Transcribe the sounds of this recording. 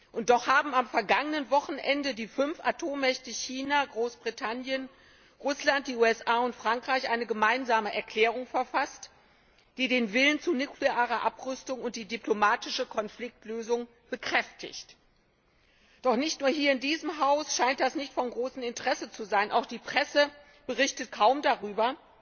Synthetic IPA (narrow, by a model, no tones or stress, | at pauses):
ʔʊnt̚d̥ɔχhaːbm̩amfɛɐɡaŋənənvɔχn̩ʔɛndədiːfʏnfʔa̰tʰoːmːɛçtəçiːnaɡʁoːsb̥ʁitʰanjən | ʁʊslant̚d̥iːuːɛsʔaːʊntfʁ̥aŋkʁ̥aɪçʔaɪnəɡəmaɪnzaːməʔɛɐkl̥ɛːʁʊŋfɛɐfast | d̥iːdeːnvɪlənt͡sunukʰleaːʁɐʔapʁʏstʊŋʊnt̚d̥iːdiplomaːtɪʃəkʰɔnflɪk̚tløːzʊŋ | b̥əkʁ̥ɛftʰɪ̰çt | d̥ɔχnɪçtnuːɐɦiːɐɪndiːzəmɦaʊsʃaɪnt̚d̥asnɪçtfɔnɡʁoːsn̩ɪntəʁɛsət͡suzaɪnʔa̰ʊxd̥iːpʁ̥ɛsə | b̥əʁɪçtət̚kʰaʊmdaʁyːbɐ